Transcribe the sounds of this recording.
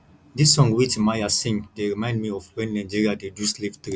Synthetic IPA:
disːɔ̃ŋɡwit͡ʃmajasĩŋdeɹimãɪ̃ndmiɔfwɛ̃nːãɪ̃d͡ʒiɹiadeduslivt̪ɹi

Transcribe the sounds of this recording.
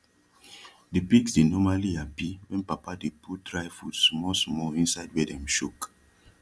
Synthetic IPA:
depiksdenɔmaliapiwɛ̃npapadeput̚dɹajfutsmɔsmɔĩnsaɪd̚wɛdɛ̃mʃuk

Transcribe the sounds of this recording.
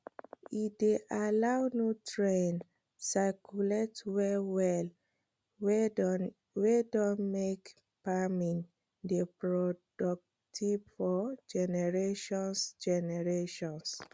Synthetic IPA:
ideʔalawnotɹẽn | sakʰuletwɛwɛl | wedɔ̃nmek | pamĩn | depɹɔdɔk̚ | tʰibfɔd͡ʒɛnɛɹeʃɔ̃nsd͡ʒɛnɛɹeʃɔ̃ns

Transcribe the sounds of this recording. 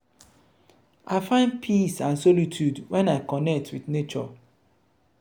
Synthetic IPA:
ʔaɪfãɪ̃n̚pʰisãnsɔlitʰjudwɛ̃naɪkɔnɛk̚tʰwiθnet͡ʃɔ̰

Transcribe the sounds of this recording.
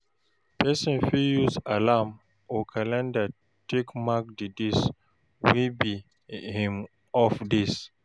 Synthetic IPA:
pʰɛsɔ̃nfijusalam | okʰãlɛ̃nda | tʰekmak̚didis | wibi | hĩm | ɔfdis

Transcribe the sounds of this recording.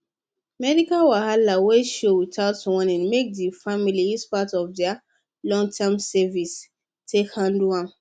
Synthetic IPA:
mɛdikalwahalaweʃowitʰaʊtswɔ̃nãnmek̚difamiliispatɔvdɛa | lɔ̃ŋtʰɛmsɛvis | tʰekhãnduãm

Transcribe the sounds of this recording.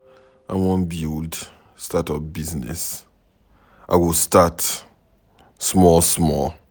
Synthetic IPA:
a̰wɔ̃nbild | statɔfbiznɛ̰s | ʔa̰wistat | smɔlsmɔl

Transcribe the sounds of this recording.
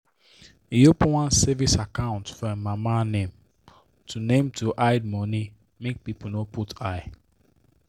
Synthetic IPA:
iopwãnsɛvisakãʊ̃ntfɔemamanẽm | tʰunẽmtʰuʔaɪd̚mɔni | mek̚pipolnoputʰaɪ

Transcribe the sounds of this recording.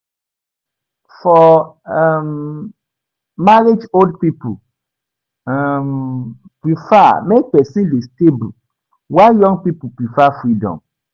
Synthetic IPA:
fɔ | m | maɾed͡ʒoldpipu | m | pɾifamek̚pɛsĩlesteblu | wajɔ̃ŋpipupifafɾidɔ̰̃m

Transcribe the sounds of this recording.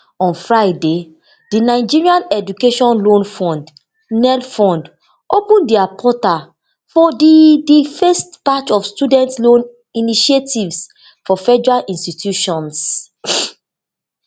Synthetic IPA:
ɔ̃nfɹaɪde | dinaɪd͡ʒiɹiãnɛdukeʃɔ̃nlõnfɔ̃nd | nɛlfɔ̃nd | opũndiapʰɔta | fɔdidifɛstpatɔfstudɛ̃ntslõn | iniʃietʰivs | fɔfɛd͡ʒɔɹalʔĩnstitʰjuʃɔ̃ns

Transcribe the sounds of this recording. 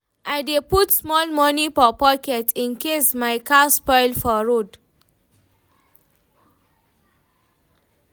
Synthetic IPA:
ʔajdeputsmɔlmɔnifɔpɔkɛtĩnkesmajkaspɔjlfɔɹod

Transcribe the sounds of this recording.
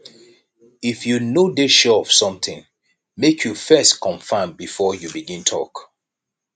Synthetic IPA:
ifjunodeʃɛɔfsɔ̃mθɪ̃ŋ | mekʰjufɛstkʰɔ̃ɱfãɪ̃mbifɔjubiɡĩntʰɔ̰k

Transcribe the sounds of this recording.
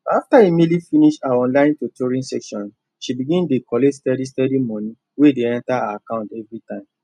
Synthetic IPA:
aftaemelifiniʃaaɔ̃nlãɪ̃ntotoɹĩnsɛkʃɔ̃n | ʃibiɡĩndekʰɔlestɛdistɛdimɔ̃nĩ | wedeɛ̃ntaaakãʊ̃ntɛvɹitãɪ̃m

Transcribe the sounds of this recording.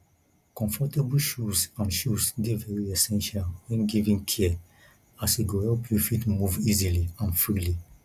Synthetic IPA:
kɔ̃ɱfɔtebulʃusãnʃusdevɛɹiɛsɛ̃nʃalwɛ̃nɡivĩŋtʰiɛ | asiɡohɛlpjufitmuviziliãnfɹili

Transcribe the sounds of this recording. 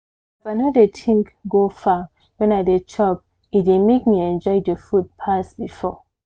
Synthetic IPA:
ifanodetʰĩŋkɡofa | wɛ̃naɪdet͡ʃʰɔp̚ | idemek̚miɛ̃nd͡ʒɔɪdəfut̚pʰasbifɔ

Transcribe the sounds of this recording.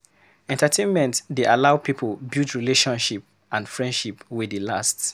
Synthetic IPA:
ɛ̃ntatʰẽnmɛ̃ntdeʔalaʊpipʰəlbiltɹileʃɔ̃nʃip | ʔãndfɹɛ̃ndʃipwidəlasts

